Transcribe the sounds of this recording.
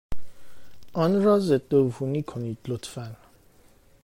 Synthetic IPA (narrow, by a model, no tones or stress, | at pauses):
ɔnɾɒːzed̪̥ːovuniːkʰoniːd̪̥lot̪ʰfæn